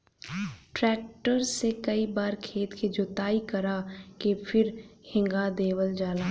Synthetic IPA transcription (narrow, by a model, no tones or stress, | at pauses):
ʈɾɛːk̚ʈəɾsekəibaːɾkʰeːt̪kid͡ʒot̪aːikɐɾakepʰɪɾhɪ̃ŋɡad̪eːwəld͡ʒaːlaː